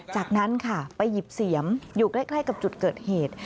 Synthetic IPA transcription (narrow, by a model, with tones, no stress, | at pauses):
t͡ɕaː˨˩k̚na˦˥nkʰa˥˩pa˧jːi˨˩p̚si˨˩˦əmjuː˨˩klaː˦˥˩jkʰla˥˩jka˨˩p̚t͡ɕu˨˩t̪̚kɤː˨˩t̪̚heː˨˩t̪̚